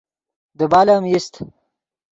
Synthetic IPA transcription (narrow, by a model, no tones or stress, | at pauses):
d̪əbaːlamist̪